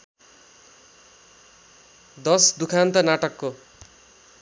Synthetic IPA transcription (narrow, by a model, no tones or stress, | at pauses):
d̪ʌsd̪ukʰant̪ʌnaʈʌkːo